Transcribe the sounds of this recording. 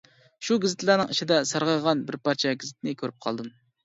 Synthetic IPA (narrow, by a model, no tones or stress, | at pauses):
ʃuɡʲizɪt̪ʰlˠæːnɨŋiʃid̪ɛsɑɾʁɑʁɑnbɪɾpɑɾt͡ʃʰɛɡʲizɪt̪ʰnɪkʲʰøɾyp̚qʰɑ̰lˠd̪ɨm